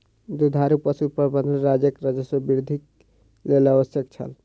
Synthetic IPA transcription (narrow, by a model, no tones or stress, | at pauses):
d̪ud̪ʱaɾupəsupəɾbənd̪nɾad͡ʒəkɾəd͡ʒəswəbiɾd̪ʱik | leləbəsjəkt͡ʃʰə̰l